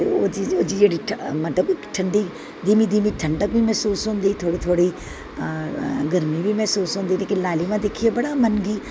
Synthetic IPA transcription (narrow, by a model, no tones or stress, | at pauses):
eoːd͡ʒioːd͡ʒid͡ʒeːɽiʈʰmɐt̪ləbʈʰɐɳɖi | d̪iːmid̪iːmiʈʰɐɳɖək̚bʱimɛɦsuːsɦʊ̃ːnd̪it̪ʰoːɽit̪ʰoːɽi | ɡɐɾmibʱimɛɦsuːsɦʊ̃nd̪iẽkɪlaːlimãd̪ekʰiebɐɽamɐnɡiː